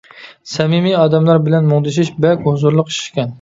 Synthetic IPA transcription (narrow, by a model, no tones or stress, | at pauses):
sɛmimiɑːd̪ɛmlˠɑɾbɪlɛnmoŋd̪ɪʃiʃbɛlkʲhʊzuɾlˠʊqiʃʃkʲɛn